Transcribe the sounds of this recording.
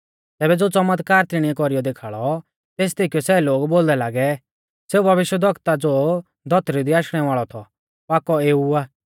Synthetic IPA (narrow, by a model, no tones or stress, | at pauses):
t̪ɛːbɛd͡zoːt͡sɔmət̪kaːɾt̪iɽ̃ɪ̃ɛkɔɾijɔd̪eːkʰaːɭɔ | t̪eːs̬t̪iːkiɔsɛːloːɡboːld̪ɛlaːɡɛ | seːubʱɐʋɪʃwəd̪ʱɔkt̪ad͡zoː | d̪ʱɔt̪ɾid̪iaːʃɽ̃ɛʋaːɭɔt̪ʰɔ | paːkɔeːuaː